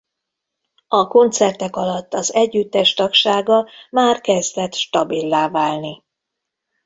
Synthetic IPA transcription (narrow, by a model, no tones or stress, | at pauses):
ɒko̞nt̪sɛrt̪ɛkɒlɒt̪ːɒzɛɟːyt̪ːɛʃt̪ɒkʃaːɡɒmaːrkɛzd̪ɛt̪ʃt̪ɒbilːaːvaːlni